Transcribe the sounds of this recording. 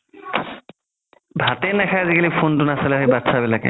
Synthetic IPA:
bʱatɛnɛkʰazikʰalipʰontʊnasalaɦojbatsʰabɛlakɛ̰

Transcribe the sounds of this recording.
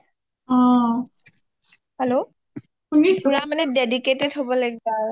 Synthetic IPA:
ɔ̃ | hɛlo | unisuɹamanɛdediketɛdɦobɔlaɡiba

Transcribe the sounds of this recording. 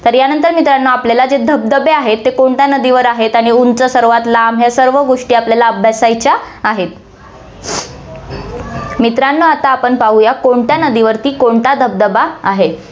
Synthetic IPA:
t̪əɾjanənt̪əɾmit̪ɾanːəapljalad͡zed̪ʱəb̚d̪əbeaɦet̪ːekoɳʈ̪janəd̪iʋəɾaɦet̪aɽ̃iunt͡səsəɾʋat̪laːmɦjasəɾʋəɡoʂʈiːapljalaəbʱjasajt͡ɕaːɦet̪̚ | mit̪ɾanːoat̪aːpəɳpaɦujakoɳʈ̪janəd̪iʋəɾt̪iːkoɳʈ̪ad̪ʱəb̚d̪əbaːɦe

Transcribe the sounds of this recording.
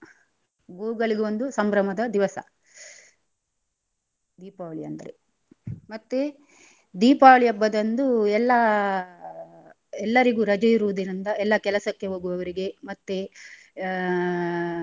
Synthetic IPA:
ɡuːɡɐɭiɡeo̞nd̪usɐmbɾɐmɐd̪ɐd̪iʋɐsɐ̰ | d̪iːpaːʋɐɭijɐ̰nd̪ɐɾe | mɐt̪ːe | d̪iːpaːɐɭijɐbːɐd̪ɐnd̪uɛlːɐ | ɛlːɐɾiɡuːɾɐd͡ʒɐjiɾuʋud̪iɾind̪ɐʔɛlːɐkɛlɐsɐkːe̞ɦoːɡuʋɐʋɐɾiɡe̞mɐt̪ːe

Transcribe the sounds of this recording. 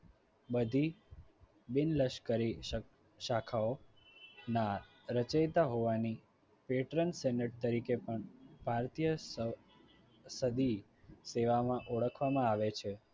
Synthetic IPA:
bəd̪ʱi | bɪnləʃkəɾi | ʃakʰao | na | ɾət͡ʃajt̪aɦoʋani | peʈɾənsɛnəʈ̚t̪əɾikepəɳbʱaɾt̪ijə | səd̪i | seʋamãʔoɽəkʰʋamãaʋet͡ʃʰe

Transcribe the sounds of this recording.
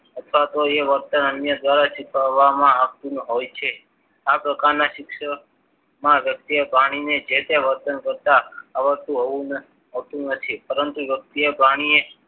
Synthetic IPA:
ət̪ʰʋat̪oeʋəɾt̪ənənjəd̪ʋaɾaʃɪkʰəʋamãːkt̪unɦojt͡ʃʰe | apɾəkaɾnaʃɪkʃə | mãʋjək̚t̪ijəpaɽ̃ined͡ʒet̪eʋəɾt̪ənkəɾt̪aːʋəɾt̪ũɦoʋũn | ɦəʋt̪ũnət̪ʰipəɾənt̪uʋjək̚t̪iəbʱaɽ̃ie

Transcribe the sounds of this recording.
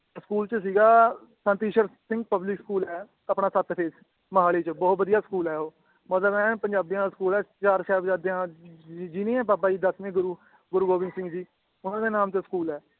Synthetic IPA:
skuːlt͡ʃəs̬iːɡaː | sə̃nt̪iːʃəɾsɪ̃ŋɡ̚pəblɪkskuːlɛː | əpnãːsət̪pʰeːs | məɦaːleːt͡ʃəbɔːt̪̚bəd̪ijaːskuːlɛːoː | mət̪ləbɛ̃ːpəɲd͡ʒaːbijãːd̪askuːlɛːt͡ʃaːɾt͡ʃʰɛːbəd͡ʒaːɾd̪eãːd͡ʒinẽːɛ̃ːbaːbaːiːd̪əsmẽːɡʊɾuː | ɡʊɾuːɡoːbɪ̃ŋsɪ̃ŋɡd͡ʒiː | ʊnãːd̪eːnaːmt̪eskuːlɛː

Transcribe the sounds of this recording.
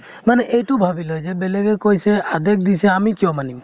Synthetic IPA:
maneʔejʈubʱabilɔjzɛbelɛɡɛkojsɛad̪ek̚ʰd̪iseamikijɔmanim

